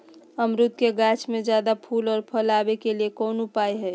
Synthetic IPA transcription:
əmɾut̪̚keɡat͡ʃʰmẽd͡ʒjad̪apʰulɔːɾpʰəlabekeliekoːnupaiɦɛː

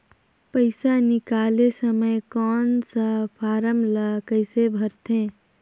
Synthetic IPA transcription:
pəɪsanikalesəməjkɔːnsəpʰaːɾəmləkəɪsebʱəɾt̪ʰẽ

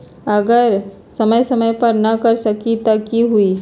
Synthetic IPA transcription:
əɡəɾ | sɐməjsɐməjpɐɾnɐkɐɾsəkit̪ɐkiɦui

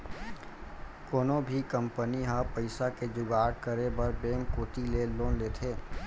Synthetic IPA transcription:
koːnobʱikə̃mpəniɦãpəɪsaked͡ʒʊɡaːʈkəɾebəɾbẽːŋkːoːʈileloːnleːt̪ʰeː

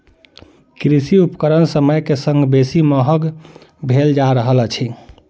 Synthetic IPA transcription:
kɾisiupkəɾənsəməjkesə̃ŋɡbesiməɦəɡ | bʱeld͡ʒaɾəɦəlt͡ʃʰi

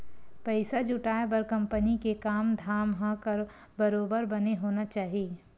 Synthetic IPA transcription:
pɐɪsad͡ʒʊʈaːepɐɾkɐ̃mpənikekaːmd̪ʱaːmɦãkɐɾ | bɐɾoːbəɾbɐneɦoːnat͡ʃaːɦieː

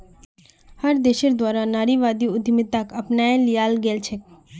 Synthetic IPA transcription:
həɾd̪eːʃiɾd̪waːɾanaːɾiʋaːd̪iʊd̪ʱmɪt̪akɐpnaːelɪjaːlɡeːlt͡ʃʰek

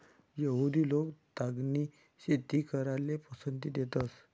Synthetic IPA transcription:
jəɦud̪iːlokt̪aɡni | ɕet̪ikəɾalepəsənt̪id̪et̪əs

